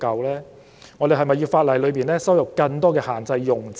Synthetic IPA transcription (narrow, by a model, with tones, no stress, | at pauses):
kɐ˧wlɛː˥ | ŋɔː˨˧d̪e˨ɦɐ˨jmɐ˨˩jiː˧wfaː˧t̚lɐ˨˩jlɵ˨˧ɥpiː˨nlɛː˥sɐ˥wjɐ˨p̚kɐ˧ŋt̪ɔː˥kɛː˧haː˨˩nt͡sɐ˧jːʊ˨˩ŋt͡s